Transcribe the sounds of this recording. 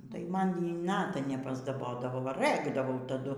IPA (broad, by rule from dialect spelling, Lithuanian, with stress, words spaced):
tɐɪ ˈmɐn ˈjiː ˈnɑːtɐ nʲɛpɐzdɐˈboːdɐʋoː ʋɐ ˈrɘɡdɐʋɐʊ tɐˈdʊ